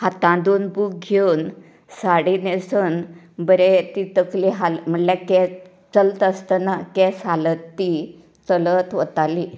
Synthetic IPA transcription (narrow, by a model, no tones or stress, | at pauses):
hat̪ãd̪onbuk̚ɡʱen | saɽinesən | bəɾet̪it̪əkliɦalm̤əɳlakɛ | t͡səlt̪əst̪ənakɛsɦalət̪ːi | t͡sələt̪ʋət̪ali